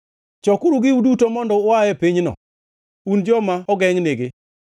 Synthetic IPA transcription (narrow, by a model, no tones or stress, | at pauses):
t͡ʃɔkʊɾuɡɪudutomɔndɔʊajɛpiɲnɔ̰ | und͡ʒɔmaɔɡɛŋneɡɪ